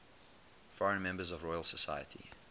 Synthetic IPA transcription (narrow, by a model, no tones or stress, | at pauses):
fɔɹə̃nmɛ̃mbəzɔvɹɔɪəlˠsəsaɪjətʰḭ